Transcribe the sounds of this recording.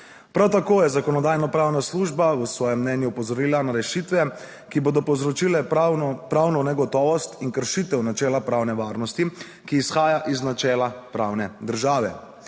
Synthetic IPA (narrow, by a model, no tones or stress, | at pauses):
pɾawt̪akoːjɛzakɔnɔd̪aːjnɔpɾaːwnasluːʒbawəsʋɔːjɛmːnɛnjuːpɔzɔɾiːlanaɾɛʃit̪ʋɛ | kiboːd̪ɔpɔzɾɔt͡ʃiːlɛpɾawnɔnɛɡɔt̪ɔːʋɔst̪inkəɾʃit̪ɛwnat͡ʃɛːlapɾaːwnɛʋaːɾnɔst̪i | kiːsxaːjaʔiznat͡ʃɛːlapɾaːwnɛd̪əɾʒaːʋɛ̰